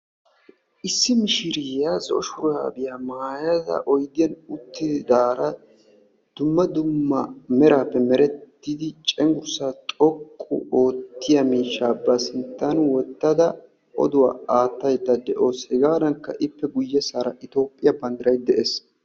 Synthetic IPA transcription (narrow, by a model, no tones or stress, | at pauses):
ʔɪsːɪmɪʃɪɾɪazɔɔʃʊɾa̰ːbɪjamaːjɐzɐ̰ʔɔjd̪ɪjɐnʊt̪ːɪdd̪aːɾɐ | d̪̥ʊmːɐd̪ʊmːɐmɛɾaːpːɛmɛɾɛt̪ːɪd̪ɪt͡ʃʼɛŋɡʊɾsaːt̪ʼɔkʼːʊ̰o̞ːt̪ːɪjɐmiːʃːaːbɐsɪnt̪ːɐnwɔt̪ːɐd̪ɐ | ɔ̰d̪ʊwa̰ːaːt̪ːɐjd̪ːɐd̪ɛʔo̞ːshɛɡaːd̪ɐŋkːɐ̰ʔɪpːɛɡʊjːɛsaːɾɐʔɪt̪o̞ːpʼːɪjɐbɐnd̪ɐɾɐjd̪ɛʔeːs